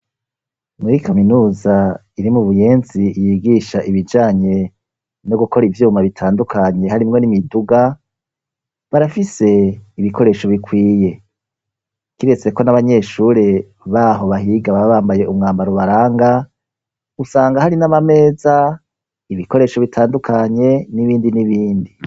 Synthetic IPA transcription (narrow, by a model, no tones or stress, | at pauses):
muɾikaminuːza | iɾimuβuje̞ːnzijiːɡiʃaʔiβid͡ʒaːɲe̞ | no̞ɡuko̞ɾivjuːmaβitʰaːndukʰaɲe̞haɾimŋo̞nimiduɡa | βaɾafise̞iβiko̞ɾe̞ʃo̞βikʰwiːje̞ | kiɾe̞t͡se̞ko̞naβaɲe̞ʃuːɾe̞ | βaːɦo̞βahiɡaβaβaːmbaje̞umŋaːmbaɾoβaɾaːŋɡa | usaːŋɡahaɾinaβame̞ːza | iβiko̞ɾe̞ːʃo̞βitʰaːndukʰaɲe̞niβiːndiniβiːndi